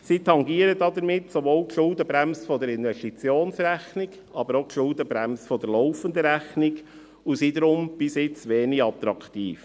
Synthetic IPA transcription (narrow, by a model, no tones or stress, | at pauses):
sit̪ʰɑŋɡiːəɾəd̪ɑd̪əɾmɪt̪soʋoːlkʃʊld̪əbɾæmsfɔd̪əɾɪnvɛʃtit͡sjoːnsɾæxnɪɡ | ɑbəɾokʃʊld̪əbɾæmsfɔd̪əɾlɔʊfənd̪əɾæxnɪɡ | usid̪əɾʊmb̥ɪsɪt͡sʋeːniɡɑt̪ɾɑkʰt̪ḭːf